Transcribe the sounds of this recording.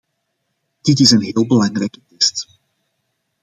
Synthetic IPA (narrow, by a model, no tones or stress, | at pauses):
d̥ɪtɪsənɦɪːlˠbəlɑŋrɛjkətɛst